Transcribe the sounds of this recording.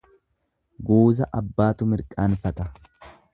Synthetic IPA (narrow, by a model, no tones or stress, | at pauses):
ɡuːzɐʔɐbːaːt̪ʊmɪɾkʼaːnfɐt̪ɐ